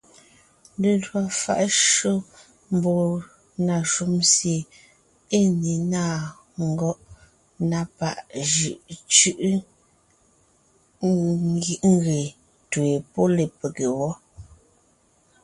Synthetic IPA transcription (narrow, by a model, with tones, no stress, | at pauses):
de˨dwa˨fa̰˦ʔʃo˦ | m̩˨bɔ˨ | na˨ʃu˦msje˨ | e˦˨ne˨naː˦˨ | ŋ˨ɡɔ˦ʔ | na˦pa̰˦˨ʔʒi˨ʔt͡ʃʉ˦ʔ | ɡi˦˨ʔŋ˦ɡe˨ | twe˨pɔ˦le˨pe˨ke˨wɔ˦